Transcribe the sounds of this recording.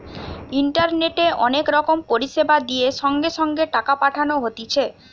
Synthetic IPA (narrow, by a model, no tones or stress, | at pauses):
iɳʈaɾneʈeʔɔnekɾɔkompoɾiʃebad̪ijeʃɔŋɡeʃɔŋɡeʈakapaʈʰanoɦot̪it͡ɕʰe